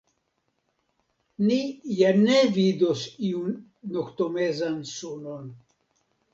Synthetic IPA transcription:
nijanevidosiunː | okt̪omezansunon

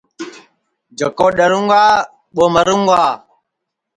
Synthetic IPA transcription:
d͡ʒakoɗaɾuŋɡʷa | ɓomaɾuŋɡa

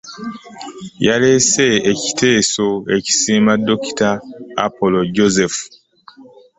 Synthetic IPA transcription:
jale̞se̞ːci̥tʰe̞ːso̞e̞ci̥siːmadːoki̥ta̰ːpoloɟozefu̥

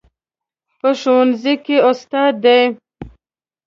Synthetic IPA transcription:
pəʃonzikeʊst̪ɑd̪ːej

